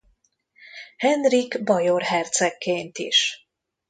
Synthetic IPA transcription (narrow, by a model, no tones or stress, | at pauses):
hɛnriɡbɒjorɦɛrt̪sɛkʰːeːnt̪ḭʃ